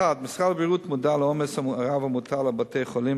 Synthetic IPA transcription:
ad̪mɪsʁalbiʁut̪mudalɔmɛsaaʁavamut̪ʰalabatʰejχoli

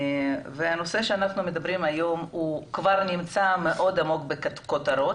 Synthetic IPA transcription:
veano̞se̞ʃeanaχnume̞d̪abɾimajo̞mukvaʁnimt͡same̞ʔo̞d̪amo̞kbekkot̪aɾo̞

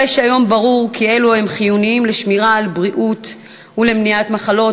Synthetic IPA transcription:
eʃajo̞mbaʁuʁkʰie̞luhe̞mχijuniimleʃmiʁaːlbʁiʔut | ulemniatmaχalo̞

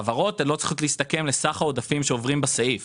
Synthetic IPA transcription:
avaʁo̞t̪elo̞t͡si̥χotliist̪ake̞mlesaχaod̪afimʃeovʁimbasaif

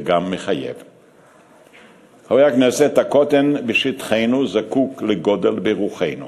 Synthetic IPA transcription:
ɡamːeχajḛv | hajakneset̪ako̞t̪enbeʃit̪χejnuzakukleɡo̞d̪elbeʁuχejnṵ

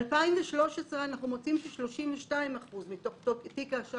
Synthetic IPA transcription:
lpaimveʃlo̞ʃesʁeanaχnumot͡simtiʃloʃimveʃtnaimaχuzmitoχtoktikaʃa

